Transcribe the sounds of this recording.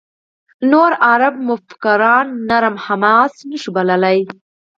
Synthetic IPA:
noɾaɾab̚mʊft̪ḁkaɾɑnːaɾmhamɑːsnəʃibaləlaj

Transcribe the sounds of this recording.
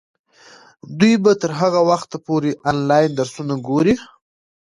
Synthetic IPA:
d̪ujbat̪əɾɦaɣawaxt̪apoɾeʔɑnlɑjnd̪aɾsunaɡoɾi

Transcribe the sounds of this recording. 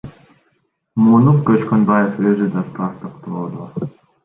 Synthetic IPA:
munuq̚køt͡ʃkønbajeføzyd̪ɑt̪ʰɑɾt̪ɯqt̪oːd̪o

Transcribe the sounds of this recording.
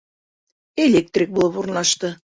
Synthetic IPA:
elʲek̚t̪rʲik̚bulˠɤpurnlɑʃt̪ɤ

